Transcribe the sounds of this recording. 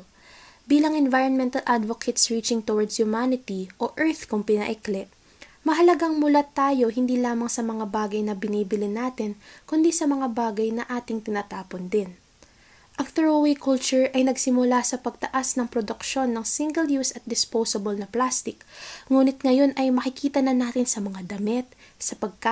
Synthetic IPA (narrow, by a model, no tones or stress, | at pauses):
biːlɐŋʔɛnvajɹonmɛnt̪ɐlʔad̪vokʰɐt̪sɹiːt͡ʃɪŋt̪owɐd̪sjʊmanɪt̪iʔo̞ʔɛɹθkʊŋpɪnɐ̰ʔɛklɛ | mɐɦɐlɐɡaŋmʊlat̪aːjo̞ɦɪnd̪iːlaːmɐŋsɐmɐŋabaːɡɐjnɐbɪniːbɪlɪnaːt̪ɪnkʊnd̪isɐmɐŋabaːɡɐjnɐʔaːt̪ɪŋt̪ɪnɐt̪aːpond̪ɪn | ʔɐŋθɹowijkult͡ʃʊɹʔɐjnɐɡsɪmʊlasɐpɐɡ̚t̪ɐʔasnɐŋpɾod̪ʊkʃo̞nːɐŋsiŋɡɐljusɐt̪̚d̪ɪspowsɐbolnɐplast̪ɪkŋuːnɪt̪̚ŋɐjo̞nʔɐjmɐkɪkiːt̪ɐnɐnaːt̪ɪnsɐmɐŋad̪ɐmɛt̪̚ | sɐpɐɡ̚ka